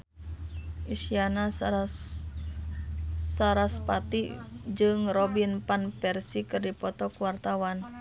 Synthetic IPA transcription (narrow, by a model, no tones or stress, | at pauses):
ʔisiana | saɾaspat̪id͡ʒɨŋrɔbinpanpɛrsikɨrdipɔt̪ɔkuwart̪awan